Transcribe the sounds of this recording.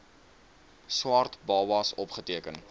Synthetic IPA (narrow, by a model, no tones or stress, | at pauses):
swɑːrtbɑːwɑːsɔpχətiəkən